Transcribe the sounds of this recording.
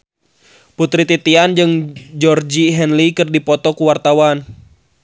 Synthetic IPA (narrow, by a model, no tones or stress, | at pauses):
put̪ɾit̪it̪iand͡ʒɨŋd͡ʒɔrd͡ʒiɦɛnlikɨrdipɔt̪ɔkuwart̪awan